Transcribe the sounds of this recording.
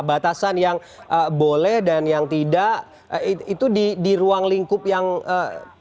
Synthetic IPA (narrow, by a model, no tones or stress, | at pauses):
bat̪asanjaŋ | ʔəbolɛhdanjaŋt̪idaʔ | iit̪udidiɾuaŋliŋkʊp̚jaŋə